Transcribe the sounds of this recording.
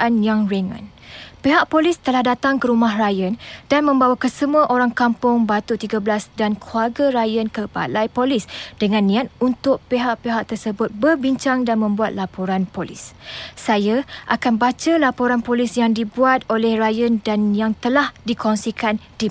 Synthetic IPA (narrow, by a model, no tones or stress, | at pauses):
ʔanjaŋreŋə̰̃n | peɦaʔ̚polɪst̪əlahdat̪aŋkəɾumaɦrajənd̥anmə̃mbawakəsəmuaʔoɾaŋkampʊŋbat̪ut̪iɡablasdankʰluarɡaɾajənkəba̰lajpolɪsd̥əŋãnːĩat̪̚unt̪ʊk̚peɦaʔpeɦaʔ̚t̪ərsəbʊt̪̚bərbiɲt͡ʃaŋdanmə̃mbuat̪̚lapoɾanpolɪ̰ssajaʔakanbat͡ʃalapoɾanpolɪsjaŋdibuat̪̚olɛhrajəndanjaŋt̪əlahdikɔnsikʰandi